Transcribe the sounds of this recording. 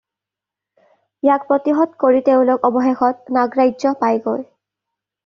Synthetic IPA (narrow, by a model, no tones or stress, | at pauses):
jak̚pɹɔtiɦɔdkoɹiteʊ̃lokɔbɔɦexɔt̚naɡɹajzɔpajɡoj